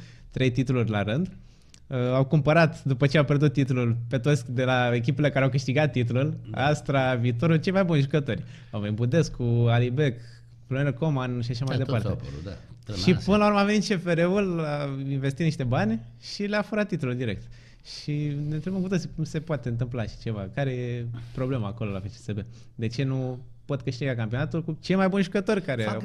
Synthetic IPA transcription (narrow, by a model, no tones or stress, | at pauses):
t̪ɾe̞jt̪it̪ulurʲlaɾɨnd̪ | əawkumpəɾat̪d̪upət͡ʃeawpʲjerd̪ut̪ːit̪ululpe̞t̪o̞t̪sʲd̪e̞lae̞k̬ʲipelekaɾeawkɨʃt̪iɡat̪ːit̪̬ulula̰st̪ɾaviːt̪o̞ɾult͡ʃe̞jmajbunʲʒukət̪o̞rʲ | awvenibud̪e̞skʰualibe̞k | loneɾkomanʃiaʃamajd̪epaɾrt̪ep̪a̰ʃipɨnlauɾməavenit̪t͡ʃe̞feɾe̞ulainvest̪it̪niʃt̪e̞banʲ | ʃileafuɾat̪ːit̪ululd̪iɾe̞̰k̚t̪ | ʃinet̪ɾebəmkut̪osikumse̞poat̪eɨnt̪̬ɨmplaʃi̥t͡ʃe̞vakaɾejepɾo̞ble̞maːko̞lolafet͡ʃesebe̞ | d̪e̞t͡ʃe̞nu | po̞t̪kɨʃt̪iɡak̬ampionat̪ulkut͡ʃe̞jmajbunʒukət̪o̞rʲkaɾe